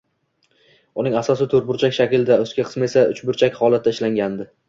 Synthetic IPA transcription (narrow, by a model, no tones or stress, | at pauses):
ʊnɪŋasɒsɪt̪ʰɵɾbʊɾt͡ʃʰakʲʃakʲɪld̪aɵskʲaqʰɨsme̞saʊt͡ʃbʊɾt͡ʃʰakʲhɒlˠat̪ʰːaɪʃlaŋɡʲand̪ɪ